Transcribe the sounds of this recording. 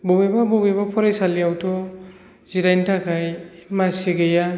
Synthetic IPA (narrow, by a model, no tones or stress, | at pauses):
bɔbebabɔbebapʰɔɾajsalijawtʰɔ | ziɾajntʰakʰajmasiɡeja